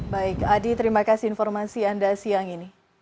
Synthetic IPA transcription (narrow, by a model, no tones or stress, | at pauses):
baɪkadit̪əɾimakasiinfɔrmasiandasiaŋini